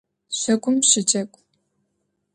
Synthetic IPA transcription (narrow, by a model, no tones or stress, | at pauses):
ɕʷɐkʷʼʊmɕɪt͡ʃʼɐkʷʼ